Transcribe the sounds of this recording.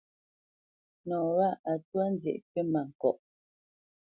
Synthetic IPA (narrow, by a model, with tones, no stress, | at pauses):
nɔ˨wa˦a˨twa˦n˦d͡zjɛ̰˨ʔkə˦ma˨ŋ̩˨kɔ̰˦˨ʔ